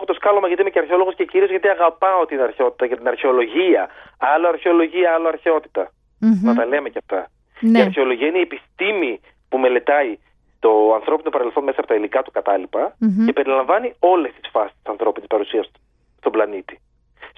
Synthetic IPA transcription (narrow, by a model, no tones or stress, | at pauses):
oxot̪o̞skɐlomɐʝɐt̪imeceɐɾçeo̞lo̞ɣo̞sce̞ciɾiozʝɐt̪iɐɣɐpɐo̞t̪inɐɾçeo̞t̪i̥t̪ɐʝɐt̪inɐɾçeo̞lo̞ʝiɐɐloɐɾçeo̞lo̞ʝiɐɐloɐɾçeo̞t̪i̥t̪ɐ | nɐt̪ɐleme̞ceft̪ɐ | eiɐɾçeo̞loʝiɐineiepist̪imi | pume̞le̞t̪ɐi | st̪o̞ɐnθɾo̞pino̞pɐɾe̞lθo̞nme̞sɐːpo̞t̪ɐilikɐt̪u̥kɐt̪ɐlipɐcepe̞ɾilɐɱvɐnio̞le̞st̪i̥sfɐsist̪i̥sɐnθɾo̞pinespɐɾusiɐs | st̪o̞blɐnit̪i̥